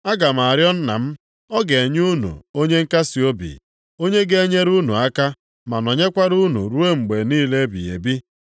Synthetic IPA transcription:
a˦ɡa˨m˨a˨ɾjɔ˦n̩˦na̰˨m̩˦ | ɔ˦ɡe˨e˨ɲ˦u˦nṵ˨o˦ɲe˦ŋ̩˦ka˦si˨o˦bḭ˨ | o˦ɲe˦ɡe˦e˦ɲe˦ɾu˦nṵ˨a˦ka˦ | ma˨nɔ˨ɲe˦kʷa˦ɾu˦nṵ˨ɾu˦e˦ŋ͡m̩˨ɡ͡be˨niː˦le˦bḭ˨jḛ˨bi˦

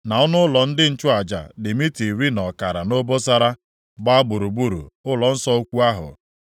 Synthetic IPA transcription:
na˨ɔ˦nʊ˦lɔ˨n̩˦dɪ˦n̩˦t͡ʃʊ˦a˨d͡ʒa̰˨dɪ˨mi˦ti˨ɾi˦nɔ˨ka˨ɾa˨no˦bo˦sa˦ɾa˦ | ɡ͡ba˦ɡ͡bʊ˨ɾu˨bu˦ɾṵ˨ʊ˦lɔ˨n̩˦sɔ˦o˦kʷu˦a˦ɦʊ̰˨

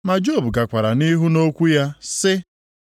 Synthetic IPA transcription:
ma˨d͡ʒo˦˨bu˨ɡa˨kʷa˨ɾa˨ni˦ɦu˦no˦kʷu˦ja˦sɪ˦

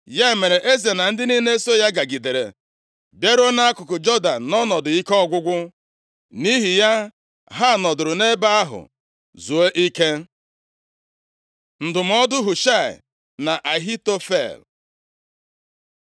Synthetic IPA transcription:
ja˦e˨me˨ɾe˨ʔe˦ze˨na˨n̩˦dɪ˦ni˦ne˦so˦ja˦ɡa˨ɡi˨de˨ɾḛ˨ | be˦ɾo˦na˦a˦kʊ˨kʊ˨d͡ʒo˦da˨n˨nɔ˦nɔ˨dʊ˨i˦ke˦ɔ˦ɡʷʊ˦ɡʷʊ˦ | ni˦ɦi˨ja˦ | ɦa˦˨nɔ˨dʊ˨ɾʊ˨ne˦ba˦a˦ɦʊ̰˨ | zu˨e˦ʔi˦ke˦ | n̩˨dʊ˨m̩˦ɔ˦dʊ˦ɦu˨ʃa˦˨ɪ̰˨ | na˨ʔa˨ɦi˦to˦fḛ˦˨l

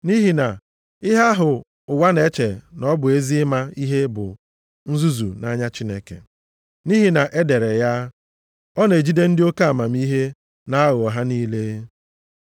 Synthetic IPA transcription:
ni˦ɦi˨na˨ | ɪ˦ɦa˦ɦʊ˨ | ʊ˨wa˦ne˦t͡ʃe˨nɔ˦bʊ˨e˦zi˦ɪ˦ma˦i˦ɦe˦bʊ̰˨ | n̩˦zu˦zṵ˨na˦ɲa˦t͡ʃi˦ne˦kḛ˨ | ni˦ɦi˨na˨ʔe˦de˨ɾe˨ja˦ | ɔ˦ne˨d͡ʒi˦de˦n̩˦dɪ˦o˦ka˦a˨ma˨m̩˦i˦ɦe˦ | na˦ɣʊ˨ɔ˨ɦa˦niː˦le˦

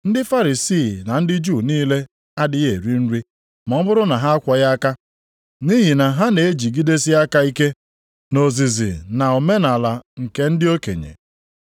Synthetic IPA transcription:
n̩˦dɪ˦fa˦ɾi˨siː˦˨na˨n̩˦dɪ˦d͡ʒu˦˨niː˦le˦ | a˦dɪ˦ɣe˨ɾi˦n̩˦ɾi˦ | mɔ˨m̩˦bʊ˦ɾʊ˦na˨ɦa˦a˦kʷɔ˨ja˦ka˦ | ni˦ɦi˨na˨ɦa˦ne˨e˦d͡ʒi˨ɡi˦de˦si˦a˦ka˦i˦ke˦ | no˨zi˨zḭ˨na˨o˨me˦na˨la˨ŋ̩˨ke˦n̩˦dɪ˦o˦kḛ˨ɲḛ˨

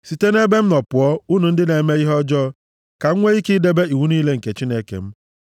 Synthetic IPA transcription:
si˨te˦ne˦be˦m̩˦nɔ˨pʊ˨ɔ˦u˦nu˨n̩˦dɪ˦ne˨me˦i˦ɦɔ˦d͡ʒɔ˦ | ka˨ŋ̩˦ŋʷe˦i˦ki˦de˦be˦i˨wu˦niː˦le˦ŋ̩˨ke˨t͡ʃi˦ne˦kḛ˨m̩˦

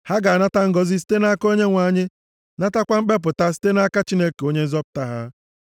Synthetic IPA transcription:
ha˦ɡa˨na˦ta˦ŋ̩˦ɡɔ˨zi˦s̬i̥˦te˦na˦ko˦ɲe˦ŋʷa˨˦˨ɲɪ˦ | na˦ta˦kʷa˦m̩˦ɡ͡be˦p̬ʊ˨ta˦si̥˦te˦na˦ka˦t͡ʃi˦ne˦ke˨o˦ɲe˦n̩˦zɔ˦pʊ̥˨ta˦ɦa˦

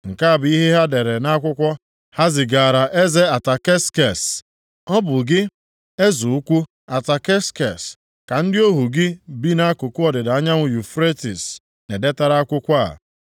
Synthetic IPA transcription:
ŋ̩˨ka˦a˨bi˦ɦe˦ɦa˦de˨ɾe˨na˦kʷʊ˦kʷɔ˦ | ha˦zɪ˨ɡa˨ɾa˨ʔe˦ze˦a˨ta˨ke˦ske˨s | ɔ˦bʊ˨ɡɪ˦ | e˦zu˨u˦kʷu˦ | a˨ta˨ke˦ske˨s | ka˨n̩˦dɪ˦o˦ɦu˨ɡɪ˦bi˦na˦kʊ˨kʊ˦ɔ˨dɪ˨da˨a˦ɲa˦ŋʷʊ˨ju˨fɾe˦ti˨s | ne˨de˦ta˦ɾa˦kʷʊ˦kʷa˦a̰˨

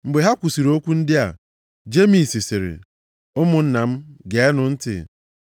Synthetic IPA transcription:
m̩˨ɡ͡be˨ɦa˦kʷu˨si˨ɾo˦kʷu˦n̩˦dɪ˦a̰˨ | d͡ʒe˦mi˨si˨sɪ˨ɾɪ̰˨ | ʊ˦mʊ˨n̩˦na˨m̩˦ɡe˨˦ɛ˦nʊ˨n̩˦tɪ̰˨

